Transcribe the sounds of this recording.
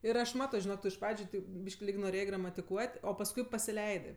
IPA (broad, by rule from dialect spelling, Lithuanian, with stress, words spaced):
ɪr ˈɐʃ ˈmɑːtoː ʒʲɪˈnoːk ˈtʊ ɪʃ ˈprɑːd͡ʒʲʊ ˈtʲɛɪp ˈbʲiːʃʲkʲ lʲɪk noːˈrʲeːjeː ɡrɐmɐtʲɪˈkuɔtʲ oː pɐsˈkʊɪ pɐsʲɪˈlʲɛɪdɜ